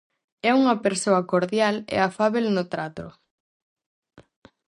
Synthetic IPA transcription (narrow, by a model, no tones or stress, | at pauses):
ɛuŋɐpeɾsoɐkoɾðjalɛ̰afaβelnʊt̪ɾat̪ɾʊ̰